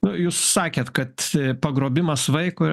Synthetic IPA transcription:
nʊjuːssɑːkʲeːt̪kɐt̪pɐɡɾoːbʲɪmɐsʋɐɪkʊ

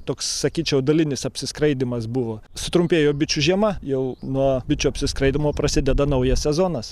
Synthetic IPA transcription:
t̪oːkssɐkʲiːt͡ʃʲɛʊd̪ɐlʲɪnʲɪsɐpʲsʲɪskɾɐɪd̪ʲɪmɐsbʊʋoːsʊt̪ɾʊmʲpʲeːjoːbʲɪt͡ʃʲuʒʲiɛmɐjɛʊnuɔbʲɪt͡ʃʲuɐpʲsʲɪskɾɐɪdʲɪmoːprɐsʲɪd̪ʲɛd̪ɐnɐʊjɛsʲsʲɛzoːnɐs

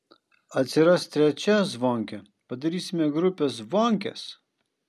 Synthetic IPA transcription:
ɐt̪ʲsʲɪɾɐst̪t̪ʲɾʲɛt͡ʃʲɛzʋoːŋʲkʲɛ | pɐd̪ɐɾʲiːsʲɪmʲɛɡɾʊpʲes̬ʋoŋʲkʲɛ̰s

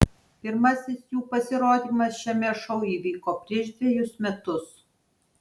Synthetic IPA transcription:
pʲɪɾmɐsʲɪsjuːpɐsʲɪɾoːd̪ʲiːmɐsʃʲɛmʲɛʃɔʊiːʋʲiːkoːpʲɾʲiɛʃd̪ʲʋʲɛjʊsmʲɛt̪ʊs

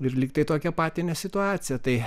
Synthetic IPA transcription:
ɪrlʲiːk̚t̪ɐɪt̪oːkʲɛpɑːt̪ʲɪnʲɛsʲɪt̪ʊɑːt͡s̪ʲɪjɛt̪ɐɪ

